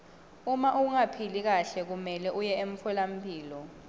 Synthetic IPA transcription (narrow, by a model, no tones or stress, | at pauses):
umaʔuŋapʰilik̬aɬɛk̬umɛlɛʔujɛeɱ̩fʰɛlam̩pʰʼiːlɔ